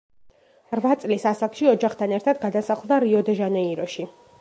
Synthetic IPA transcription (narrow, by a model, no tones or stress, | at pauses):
ɾvat̪sʼlisasakʰʃiɔd͡ʒaχt̪ʰanɛɾt̪ʰad̪ɡad̪asaχlˠd̪aɾiɔd̪ɛʒanɛiɾɔʃi